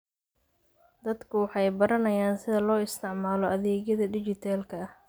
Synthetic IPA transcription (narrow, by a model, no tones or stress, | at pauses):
d̪ɐd̪kʰʊwɑħɑjbɐɾɐnɐjaːnsɪðɐlɔːɪst̪ʰɪʕmaːlɔɐðɛːɡjɐðɐɖɪt͡ʃɪt̪ʰaːlkʰɐɐh